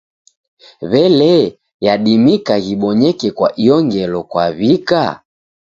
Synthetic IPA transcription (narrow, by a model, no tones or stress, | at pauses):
βɛlɛ | jaɗimikaɣiɓɔɲɛkɛkwa̰ʔiɔŋɡɛlɔkwa̰βika̰